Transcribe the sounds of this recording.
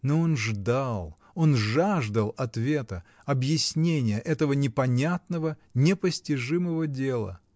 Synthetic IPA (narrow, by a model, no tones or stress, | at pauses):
noonʐd̪alˠ | o̞nʐaʐd̪əlˠɐt̪vʲe̞t̪ə | ɐbjɪsʲnʲenʲɪjəʔɛt̪əvənʲɪpɐnʲat̪nəvənʲɪpəsʲtʲɪʐɨməvədʲe̞lˠə̰